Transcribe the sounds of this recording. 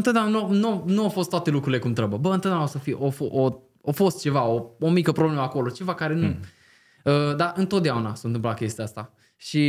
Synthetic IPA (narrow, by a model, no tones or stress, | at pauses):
ɨnt̪əd̪eamnnuanuafo̞st̪wat̪e̞lukɾuɾile̞kumt̪ɾəbəbəɨnt̪oəd̪amosəfiʔofʔo | ofo̞st̪̚t͡ʃe̞vaoomikəpɾobleməako̞lo̞t͡ʃe̞vakaɾe̞nu | əd̪aʔɨnt̪ot̪̚d̪eaunasont̪ɨmplakʲe̞st̪iaast̪a | ʃi